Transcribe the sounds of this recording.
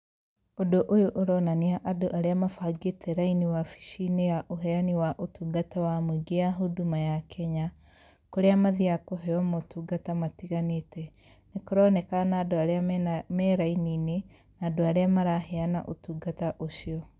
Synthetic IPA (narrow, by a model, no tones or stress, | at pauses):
odoʔojoʔoɾɔnaniaʔadoʔaɾeamafaɡetʰɛɾainiwafi̥ʃinejaʔoɦɛaniwaʔotuːɡatawamoɡeaɦodumajakʰɛɲa | koɾeamaðiakoɦɛɔmotuːɡatamatiɣanetɛ | nekoɾɔnɛkanaːdoaɾeamɛɾainine | naːdoaɾeamaɾaɦeana̰ʔotuːɡataʔoʃiɔ